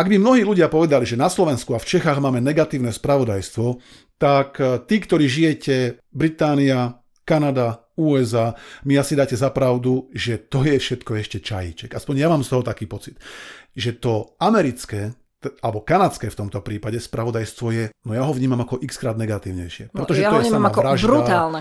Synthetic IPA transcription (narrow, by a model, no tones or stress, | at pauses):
aɡbimnɔɦiːluɟɪapɔʋɛd̪aliʒɛnaslɔʋɛnskuaft͡ʃɛxaːɣmaːmɛnɛɡat̪iːʊnɛːspɾaʋɔd̪ajst̪ʋɔ | t̪akt̪iːkt̪ɔɾiːʒijɛcɛ | bɾit̪aːnia | kanad̪a | uːɛzaːmijasid̪aːcɛzapɾaʊd̪uʒɛt̪ɔjɛfʃɛt̪kɔɛʃcɛt͡ʃajḭt͡ʃɛɡ̥aspɔɲjamaːmst̪ɔɦɔt̪akiːpɔt͡sit̪ʒɛt̪ɔamɛɾit͡skɛː | alɛbɔkanat͡skɛːft̪ɔmt̪ɔpɾiːpaɟɛspɾaʋɔd̪ajst̪ʋɔjɛnɔjaɦɔvɲiːmamakɔʔikskɾaːd̪nɛɡat̪iːʊɲɛ̰jʃɪɛpɾɛt̪ɔʒɛɔɛsaamaɾaʒbdɾuat̪aːlˠnɛ